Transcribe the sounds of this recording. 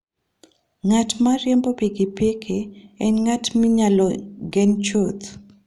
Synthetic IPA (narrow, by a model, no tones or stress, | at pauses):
ŋatmaɾjɛmbopeɡipekʰeɛnŋatmiɲalɔɡɛnt͡ʃot̪